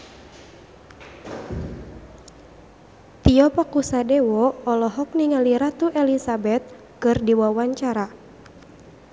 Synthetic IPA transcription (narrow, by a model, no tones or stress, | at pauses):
t̪iɔpakusadɛwɔːlɔɦɔk̚niŋaliɾat̪uʔɛlisabɛt̪̚ | kɨrdiwawaɲt͡ʃaɾa